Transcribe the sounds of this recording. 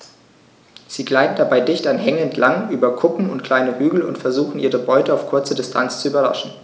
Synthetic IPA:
z̥iːɡlaɪtn̩dabaɪdɪçtanɦɛŋɛntʰlaŋʔyːbɐkʰʊpm̩ʊ̰ntkʰl̥aɪnəʁyːɡl̩ʊ̰ntfɛɐzuːxn̩ʔiːʁəbɔʏtəaʊfkʰʊɐt͡sədɪstʰa̰nt͡st͡suyːbɐʁa̰ʃn̩

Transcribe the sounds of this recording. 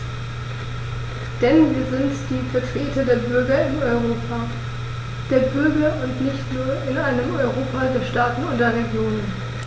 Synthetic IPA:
d̥ɛnviːɐzɪntd̥iːfɛɐtʁ̥eːtɐdeːɐbʏɐɡɐɪmɔʏʁoːpa | d̥eːɐbʏɐɡɐʔʊntnɪçtnuːɐʔɪnʔaɪnəmɔʏʁoːpadeːɐʃtaːtn̩ʊntd̥eːɐʁeɡjoːnən

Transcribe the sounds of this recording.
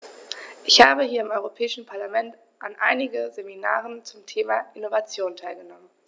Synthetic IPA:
ʔɪçhaːbəhiːɐɪmʔɔʏʁopʰɛːɪʃn̩pʰaɐlamɛnt | ʔanʔa̰ɪnɪɡəzemina̰ːʁ̞ənt͡sʊmtʰeːmaʔɪnovat͡sjoːntʰaɪlɡənɔmən

